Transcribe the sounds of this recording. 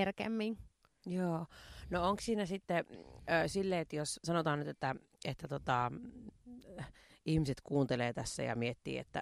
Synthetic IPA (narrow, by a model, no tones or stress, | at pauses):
erkḛmːiŋ | joːnooŋkssiːnæsit̪ːesilːeːet̪jossɑnot̪ɑːnnyt̪et̪ːæ | et̪ːæt̪ot̪ɑ | ihmiset̪kuːnt̪eleːt̪æsːæ̰jɑ̰miet̪ːḭːḛt̪ːæ̰